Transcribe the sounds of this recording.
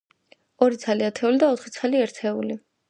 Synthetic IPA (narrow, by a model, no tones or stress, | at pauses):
ɔɾit̪sʰaliat̪ʰɛulid̪aɔt̪χit̪sʰaliɛɾt̪ʰɛuli